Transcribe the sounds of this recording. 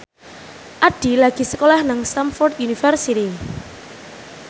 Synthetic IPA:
ʔaɖ̥i̤laɡ̥i̤səkolɛhnaŋst̪amfɔrd̪junifərsit̪i

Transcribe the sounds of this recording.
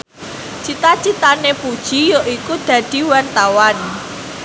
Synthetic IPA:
t͡ʃit̪at͡ʃit̪anepud̥ʒ̥i̤joʔikud̪̥a̤d̪̥i̤want̪awan

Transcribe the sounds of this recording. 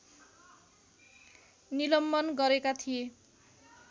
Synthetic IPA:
nilʌmbʌnɡʌɾekat̪ʰije

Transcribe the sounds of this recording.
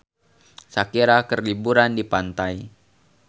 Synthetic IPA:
sakiɾakərlibuɾandipant̪aj

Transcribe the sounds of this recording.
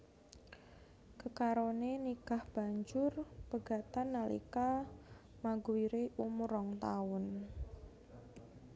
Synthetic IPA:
kəkaɾonenikahb̥a̤ɲd͡ʒʊrpəɡ̥a̤t̪anːalḭka | maɡuwiɾeʔumuɾɔŋt̪aʊn

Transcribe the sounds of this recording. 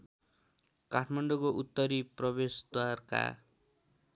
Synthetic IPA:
kaʈʰmaɳɖokoʔut̪ːʌɾiprʌbesd̪warka̰

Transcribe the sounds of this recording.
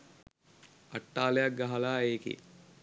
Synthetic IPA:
aʈːaːlejak̚ɡaɦalaːeːkḛ

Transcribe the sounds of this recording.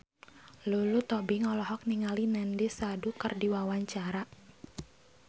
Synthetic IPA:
lulut̪ɔbiŋɔlɔɦɔk̚niŋalinɛndisadukərdiwawaɲt͡ʃaɾa

